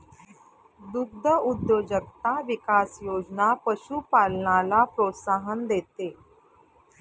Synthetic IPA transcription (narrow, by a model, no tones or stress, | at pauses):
d̪uɡ̚d̪ʱəud̪jod͡ʑək̚t̪aʋikasjod͡ʑnapəɕuːpalɳalapɾot̪saɦənd̪et̪e